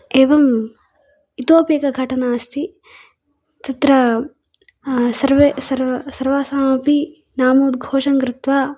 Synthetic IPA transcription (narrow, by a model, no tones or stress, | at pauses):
eːʋɐm | it̪oːpjɐkɐɡʱɐʈɐnaːɐst̪ʰi | t̪ɐt̪ɾɐ | sɐɾʋesɐɾɐsɐɾʋaːsɐmaːpi | naːmud̪̚ɡʱoːʂɐŋkɾɪt̪ʋaː